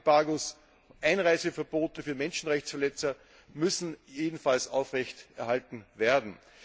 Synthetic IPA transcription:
b̥aːɡʊs | ʔæɪnʁaɪzəfɛɐboːtəfyːɐmɛnʃn̩ʁɛçt͡ssfɛɐlɛt͡sɐ | mʏsn̩jeːdn̩falsa̰ʊfʁɛçtɛɐhaltn̩veːɐdn̩

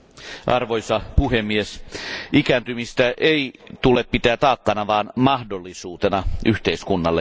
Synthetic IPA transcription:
ʔɑrʋo̞jsɑpuhemːiesʔikæːnt̪ymist̪æʔeit̪uleppit̪æːt̪ɑːkːɑnɑʋɑːnmɑhdolːisuːt̪enɑyht̪eiskunːɑlːe

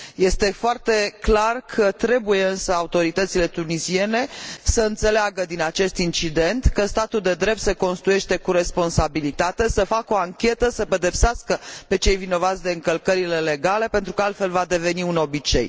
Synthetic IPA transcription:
je̞st̪e̞foart̪e̞klarkʰət̪ɾe̞buje̞ɨnsəaut̪o̞ɾit̪ət̪sile̞t̪unizie̞ne̞səɨnt̪se̞leaɡəd̪inat͡ʃe̞st̪int͡ʃid̪e̞nt̪kəst̪at̪uld̪e̞d̪ɾe̞p̚t̪se̞ko̞nst̪ɾuje̞ʃt̪e̞kuɾe̞spo̞nsabilit̪at̪e̞səfakəo̞aŋkʲe̞t̪əsəpe̞d̪e̞pseaskəpe̞t͡ʃe̞jvino̞vat̪sʲd̪e̞ɨŋkəlkəɾile̞le̞ɡale̞pe̞nt̪ɾukəalt̪fe̞lvad̪e̞ve̞niuno̞bit͡ʃe̞̰j

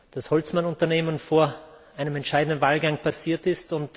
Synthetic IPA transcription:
d̥ashɔlt͡smanʊntɐneːmənfoːɐ | aɪnəmɛntʃaɪdn̩dn̩vaːlɡaŋpʰasiːɐtɪstʊnt

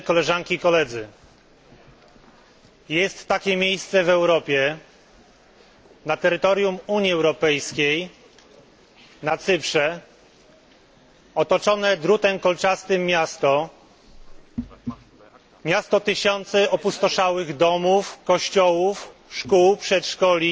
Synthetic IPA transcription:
kɔlɛʐaŋkʲikɔlɛd̪zɘ | jɛst̪ːakʲɛmʲjejst̪sɛvɛwɾɔpʲjɛ | nat̪ɛɾɘt̪ɔɾʲjumuɲjiɛwɾɔpɛjskʲej | nat̪sɘpʂɛ | ɔt̪ɔt͡ʂɔnɛd̪ɾut̪ɛmkɔlt͡ʂast̪ɘmːjast̪ɔ | mʲjast̪ɔt̪ɘɕɔnt̪sɛɔpust̪ɔʂawɘɣd̪ɔmufkɔɕt͡ɕɔwufʂkuwpʂɛt̪ʂkɔlʲi

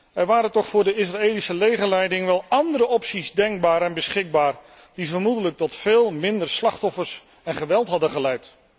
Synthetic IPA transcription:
ɛɹʋaːɾəntɔχfʊːɹdəɪsraeːlisəlejχəlɛjdɪŋʋɛlˠɑndəɾəɔpsizdɛŋɡ̚baːɾɛnbəsχɪɡ̚baːɹ | d̥ivəɹmudələk̚tɔtfeːlˠmɪndəɹslɑχtɔfəɹs | ɛnχəʋɛlˠtɦɑdənχəlɛjt

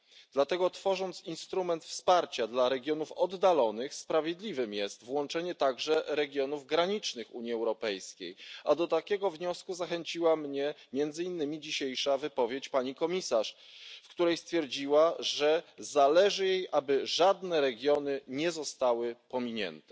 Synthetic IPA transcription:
d̪lat̪ɛɡɔt̪fɔʐɔnt̪sinst̪ɾumɛnt̪fspaɾt͡ɕad̪laɾɛɡʲjɔnufɔd̪ːalɔnɘxspɾavʲjed̪lʲivɘmjɛst̪vwɔnt͡ʂɛɲɛt̪aɡʐɛɾɛɡʲjɔnuvɡɾaɲit͡ʂnɘxṵɲiɛwɾɔpɛjskʲḛjad̪ɔt̪akʲɛɡɔvɲɔskuzaxɛɲt͡ɕiwamɲɛmjɛnd̪zɘinːɘmʲid͡ʑiɕejʂavɘpɔvʲjet͡ɕpaɲikɔmʲisaʂfkt̪uɾɛjst̪fʲjɛɾd͡ʑiwaʐɛzalɛʐɘjejʔabɘʐad̪nɛɾɛɡʲjɔnɘɲɛzɔst̪awɘpɔmʲiɲɛ̰nt̪ɛ

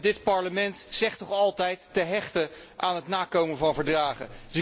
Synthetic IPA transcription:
dɪtpɑɹləmɛntzɛχtɔχɑlˠtɛjtːəɦɛχtə | ʔaːnɦətnaːkowmənvɑnvəɹdraːχə̰dsɪ

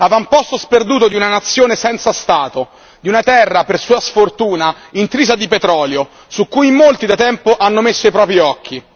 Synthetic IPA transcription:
avampɔst̪osperd̪uːt̪od̪iunanat̪sːjoːnesɛnt̪sast̪aːt̪o | d̪iunat̪ɛrːapersuːasfort̪uːna | int̪ɾiːzad̪ipet̪ɾɔːljo | sukːuːjmolt̪id̪at̪ɛmpoʔanːomesːoipɾɔːpɾiɔkʰːi

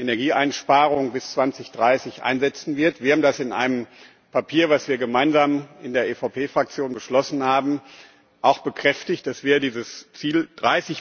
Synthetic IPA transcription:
ʔenɛɐɡiːʔa̰ɪnʃpaːʁ̞ʊŋbɪst͡sv̥ant͡sɪçd̥ʁaɪsɪçʔa̰ɪnzɛt͡sn̩vɪɐtv̥iːɐamdasɪnʔa̰ɪnəm | pʰapʰiːɐvasv̥iːɐɡəmaɪnzaːmɪndeːɐʔeːfaʊpʰeːfʁ̥ak̚t͡sjoːnbəʃlɔsn̩haːbm̩ | ʔaʊxb̥əkʁ̥ɛftɪçt̚d̥asv̥ɛːʁədiːzəst͡siːld̥ʁaɪsɪç

